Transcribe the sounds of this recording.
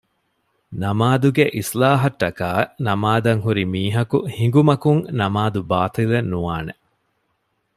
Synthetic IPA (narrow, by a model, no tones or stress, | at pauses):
nɐmaːd̪uɡeʔislaːɦɐʈːɐkaːnɐmaːd̪ɐŋɦuɾimiːɦɐkuhiŋɡumɐkuŋnɐmaːd̪ubaːt̪ilɐnːuʋaːne